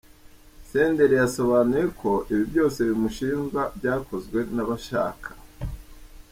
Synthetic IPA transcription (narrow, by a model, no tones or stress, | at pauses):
se̞ːnde̞ɾijaso̞βaːnuje̞kʰo̞ʔiβivjo̞ːse̞βimuʃiːnɡabɟaːkʰo̞zɡwe̞naβaʃa̰ːkʰḁ